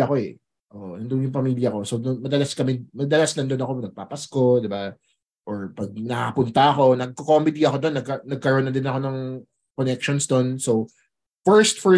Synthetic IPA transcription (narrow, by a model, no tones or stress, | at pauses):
ɐko̞ɛ | ʔoːʔonɐnd̪onjʊŋpɐmiːljɐko̞so̞wd̪onmɐd̪ɐlaskɐmɛmɐd̪ɐlasnɐnd̪onɐko̞nɐɡ̚papɐsko̞d̪ɪba | ʔoɹpɐɡ̚nɐkaɐpʊnt̪ɐʔɐko̞nɐɡ̚kokomɪd̪iɐkod̪o̞nːɐɡkːɐnɐɡ̚kɐɾonːɐd̪ɪnɐko̞nɐŋ | konɛkʃɔnsd̪o̞nsow | fɛɹst̪̚fɛ